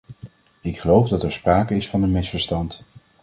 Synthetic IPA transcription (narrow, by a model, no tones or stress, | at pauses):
ɪkχəlowvdɑtɛɹspraːkəɪsfɑndəmɪsfəɹstɑnt